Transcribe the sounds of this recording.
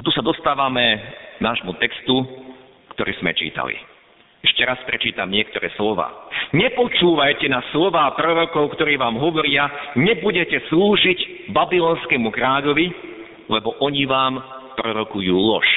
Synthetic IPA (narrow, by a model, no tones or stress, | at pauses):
at̪usad̪ɔst̪aːʋamɛnaːʒmut̪ɛkst̪u | kt̪ɔɾiːz̥mɛ̰t͡ʃḭːt̪a̰lḭ | ɛʃcɛɾaspɾɛt͡ʃiːt̪amɲɪɛkt̪ɔɾɛ̰ːslɔʋa̰ːɲɛpɔt͡ʃuːʋajcɛnaslɔʋaːpɾɔɾɔkɔʊkt̪ɔɾiːʋaːmɦɔʋɔɾɪaɲɛbuɟɛcɛsluːʒiɟ | babilɔnskɛmukɾaːʎɔʋi | lɛbɔʔɔɲiʋaːmpɾɔɾɔkujuːlɔʃ